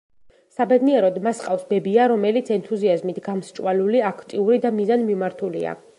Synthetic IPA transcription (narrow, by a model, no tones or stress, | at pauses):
sabɛd̪niɛɾɔd̪masqʼafsbɛbiaɾɔmɛlit̪sʰɛnt̪ʰuziazmit̪ʰɡamst͡ʃʼwaluliakʰt̪ʼiuɾid̪amizanmimaɾt̪ʰulḭa̰